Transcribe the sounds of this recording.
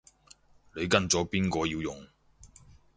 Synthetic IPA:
le˨˧jkɐ˧nt͡sɔː˨˥piː˥nkɔː˧jiː˧wjʊ˨ŋ

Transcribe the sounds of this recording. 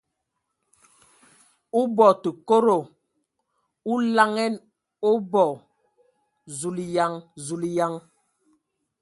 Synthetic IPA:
u˦bɔ˨tu˨ko˦ɾo˨ | u˦la˦ŋɛ˦n | o˦bɔ˨ | zu˨li˨ja˦ŋzu˨li˦ja˦ŋ

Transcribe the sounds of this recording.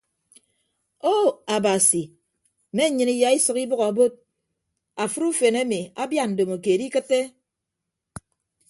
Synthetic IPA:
o˦a˨ba˨si˨ | me˦ɲɨ˨ni˦ja˨i˦sɨ˨ki˦bɨ˦ɣa˨a˨bo˦t̚ | a˨fɨ˦ɾu˦fe˨ne˦mi˨a˦bja˦n̩˨do˨mo˨ke˨di˦kɨ˦tːe˦

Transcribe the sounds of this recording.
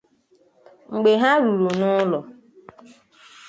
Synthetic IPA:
ŋ͡m̩˨ɡ͡be˨ɦa˦ɾu˨ɾu˨nʊ˦lɔ˨

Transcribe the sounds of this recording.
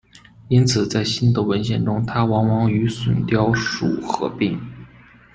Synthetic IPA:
i˥nt͡sʰɹ̩˨˩t͡sa˥˩ɪɕi˥nd̪ə˨wə˧˥nɕjɛ˥˩nʈ͡ʂʊ˥ŋt̪ʰa˥wɑ˧˥ŋwɑ˧˥ŋy˧˥swə̰˨˩nt̪jɑ˥ʊʂṵ˨˩xɤ̰˧˥pi˥˩ŋ

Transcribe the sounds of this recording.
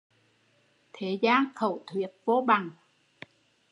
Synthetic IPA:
t̪ʰe˨˦zaː˧nxə˧˩wt̪ʰwi˨˩ət̚vo˧˦ɓa˨˩ŋ

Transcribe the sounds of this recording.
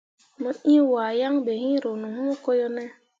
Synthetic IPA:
mə˨i˦wa˨ja˦ŋbe˨ɦĩ˦ɾo˨nu˨m˦u˦ko˦jo˦ne˦

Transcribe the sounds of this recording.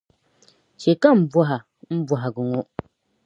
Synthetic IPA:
t͡ʃe˨ka˦m̩˨bwɔ˦ɦa˨ | m̩˦bwɔ˨ɦa˨ɡʊ˨ŋo˦

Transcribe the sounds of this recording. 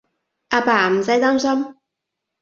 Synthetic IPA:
ʔaː˧paː˨m̩˨sa˨˧˥jt̪aː˥ms̬ɐ˥m

